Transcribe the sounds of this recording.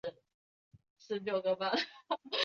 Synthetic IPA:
ʂɻ̩˧˥ljo˥˩ʊɡə˨ba˧˦

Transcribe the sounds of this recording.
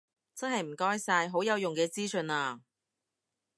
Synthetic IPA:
t͡sɐ˥nɦɐ˨jm̩˨˩kɔː˥jsaː˧jɦo˨˥wjɐ˨˧wjʊ˨ŋkɛː˧t͡siː˥sɵ˧naː˧

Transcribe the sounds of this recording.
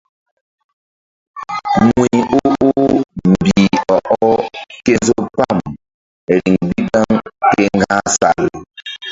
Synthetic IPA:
ŋwi˨u˦u˦m̩˨bi˨ɔ˨ʔɔ˦ke˦zo˦pa˦˨m˨ | ɾi˨ŋbi˦ba˦ŋke˦ŋ˦ɡa˦sa̰˨l

